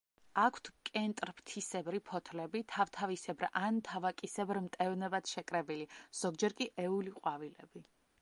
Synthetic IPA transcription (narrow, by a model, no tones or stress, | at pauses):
akʷʰt̪ʰkʼɛnt̪ʼɾpʰt̪ʰisɛbɾipʰɔt̪ʰlɛbit̪ʰavt̪ʰavisɛbɾant̪ʰavakʼisɛbɾmt̪ʼɛvnɛbad̪ʃɛkʼɾɛbiliz̥ɔɡ̚d͡ʒɛɾkʼiʔɛuliqʼwavilɛbi